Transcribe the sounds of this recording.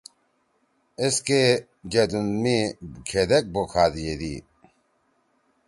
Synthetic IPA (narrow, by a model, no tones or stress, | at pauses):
eske | d͡ʑɐd̪unmikʰed̪ek̚bokʰaːd̪ijed̪ḭː